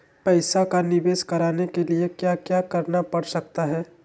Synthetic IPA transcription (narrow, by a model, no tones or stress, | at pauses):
pɐɪsakanɪʋeːskɐɾaːnekeliekjaːkjaːkɐɾnapɐɽsɐk̚t̪aɦɛː